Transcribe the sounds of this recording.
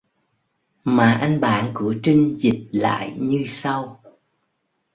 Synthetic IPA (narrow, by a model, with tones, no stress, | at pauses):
maː˨˩ʔa˧jŋ̟ɓa̰ː˧˨nkɨ˧˩ət͡ɕï˧ŋ̟zi˨˩t̚la̰ː˧˨jɲɨ˧sa˧w